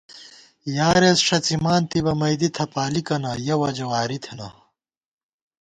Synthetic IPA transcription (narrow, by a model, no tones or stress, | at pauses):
jaːɾesʂɐt͡simaːnt̪ibɐmɐjd̪it̪ʰɐpaːlikɐnɐjɐwɐd͡ʑɐwaːɾit̪ʰenɐ